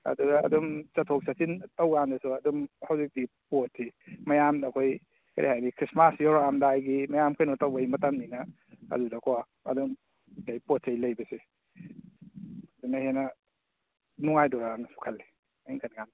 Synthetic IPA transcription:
ɐ̰dudɐɐ̰dumt͡ʃɐtʰok̚sʰasintɐwɡandɐsuɐdumhɐwzik̚dipotʰːimɐjamnakʰoj | kɐ̰ɾḭhajnikʰɾismasjɔɾamdajɡimɐjamkʰajnɔtawbajmɐtamninɐ | ɐ̰dudakʰɔ | ɐ̰dum | kajpotsejlɐjbɐse | dunɐhenɐ | nuŋajdɔɾanasu̥kʰɐlːi | iŋkʰanɡan

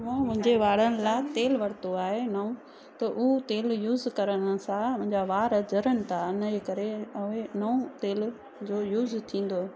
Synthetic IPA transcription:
mũːmʊ̃ɦɪ̃ɲd͡ʑeʋaːɽənɪ̆laːt̪eːlʋɐɽt̪oaːɦenɐũ | t̪ɐʔʊt̪eːljuːzkɐɾəɽ̃̆sãmʊ̃ɦɪ̃ɲd͡ʑaʋaːɾəd͡ʑɐɾəñɪ̆t̪ʰaʊnəd͡ʑekɐɾeɐenɐũt̪eːl | d͡ʑoːjuːzt̪ʰĩːn̆d̪oː

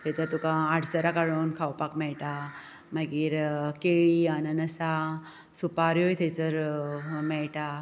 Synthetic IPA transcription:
t̪ʰet͡səɾt̪ukãaɽsəɾakaɭonkʰawpakmɛɭʈa | maɡiːɾkeɭianənəsa | supaɾjojt̪ʰet͡səɾmɛɭʈa

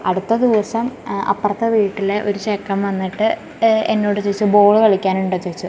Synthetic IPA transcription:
ɐɽut̪ːɐd̪iʋɐsɐmɐ̰pːɐrɐt̪ːɐʋiːʈːileʔo̞ɾuɕekːɐmʋɐnːiʈːɨ | enːo̞ːɽɨt͡ɕeit͡ɕːubo̞ːɭɨkɐɭikʲːaːnuɳɖot͡ɕet͡ɕːu

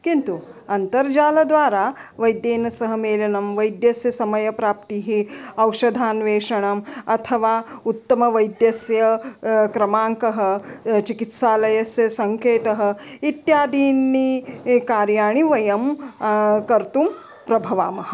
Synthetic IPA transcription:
kint̪uɐnt̪ɐɾd͡ʒaːlɐd̪ʋaːɾaːʋɐjd̪jeːnɐsɐɦɐmeːlɐnɐmʋɐjd̪jɐsjɐsɐmɐjɐpɾaːp̚t̪iɦiɐwʃɐd̪ʱaːnʋeːʂɐɳɐmɐt̪ʰɐʋaːut̪ːɐmɐʋɐjd̪jɐsjɐkɾɐmaːŋkɐɦɐt͡ʃikit̪saːlɐjɐsjɐsɐŋkeːt̪ɐɦɐ̆it̪jaːd̪iːnːikaːɾjaːɳ̃iʋɐjɐm | kɐɾt̪um | pɾɐbʱɐʋa̰ːmɐɦɐ̆

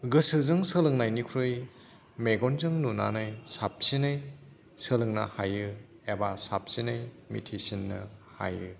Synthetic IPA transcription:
ɡɯsɯzɯŋsɯlɯŋnajnikʰɾuj | meɡɔnzɯŋnuna̰nɯjsap̚sinɯj | sɯlɯŋna̰hajɯ | ebasap̚sinɯj | mḭtʰisinːɯ̰ha̰jɯ

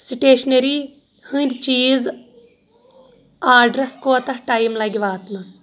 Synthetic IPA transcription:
siʈeːʃneɾi | hɨnʲd̪ʲt͡ʃiːz | aːɖɾɐskoːt̪ɐhʈajmlɐɡʲiʋaːt̪mɐs

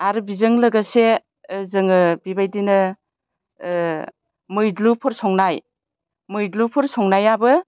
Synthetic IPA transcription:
aɾɯbizɯŋlɯɡase | zɯŋɯbibajdinɯ | mɯjdlupʰɯɾsɔŋnaj | mɯjdlupʰɯɾsɔŋnajabɯ

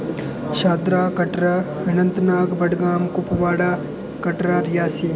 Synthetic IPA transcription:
ʃaːd̪ɾaːkɐʈɾaɐnɐnt̪naːɡbɐɽɡaːmkupɐʋaːɽaː | kɐʈɾaːɾjaːsi

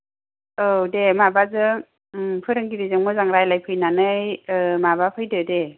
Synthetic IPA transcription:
ɯdemabazɯ | pʰɯɾɯŋɡiɾizɯŋmɯzaŋɾajlajpʰɯjnanɯjɯmaβapʰɯjdɯde

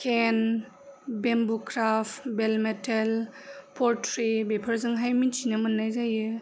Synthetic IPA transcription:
kʰen | bembukʰɾapbelmetʰelpʰɔɾtʰɾibepʰəɾzɯŋɦajmint͡ʃʰinamɐnːajzajɯ

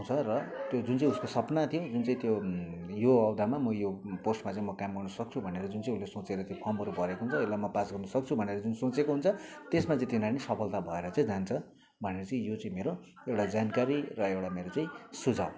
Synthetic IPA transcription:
ɦɦũt͡sʰʌrʌt̪jod͡zunt͡saĩuskosʌpnat̪ʰijod͡zunt͡saĩt̪jojoʌwd̪ʱamamʌjoporsʈmat͡sãĩmʌkamɡʌrnʌsʌk̚t͡sʰubʱʌneɾʌd͡zunt͡saĩulesõt͡seɾʌtapʰʌmɦʌɾupʌɾekoɦunt͡sʰʌelamʌpasɡʌrnʌsʌk̚t͡sʰubʱʌneɾʌd͡zunsõt͡sekoɦunt͡sʰʌt̪esmat͡sãĩt̪inanisʌpʰʌlt̪abʱʌeɾʌt͡sãĩd͡zant͡sʰʌ | bʱʌneɾʌt͡saĩjot͡saĩmeɾo | ewɽad͡zankaɾirʌewʈameɾot͡saĩsud͡zʱa̰w

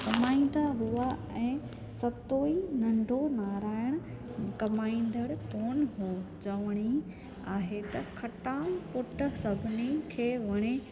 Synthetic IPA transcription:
kɐmaːĩn̆d̪aɦuːa | ɛ̃ː | sɐt̪oːinɐ̃ɳɖʱonaːɾaːɪɽ̃ʊ̆ | kɐmaːĩn̆d̪ʱəɽkoːnɦod͡ʑɐʋɽ̃i | aːɦet̪ɐkʰɐʈãːpʊʈə̆sɐbʱɪnikʰeːʋɐɽ̃e

